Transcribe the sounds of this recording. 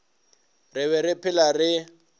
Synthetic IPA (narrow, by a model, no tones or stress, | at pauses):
rɪβɛɾɪpʰɪlarɪ